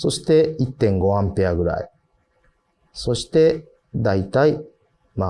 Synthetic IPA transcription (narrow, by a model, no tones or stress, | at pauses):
so̞ɕi̥t̪e̞it̪ːẽ̞ŋɡo̞hãmpeaɡɯ̟ɾa̰ḭ | so̞ɕi̥t̪e̞ | d̪ait̪ai | ma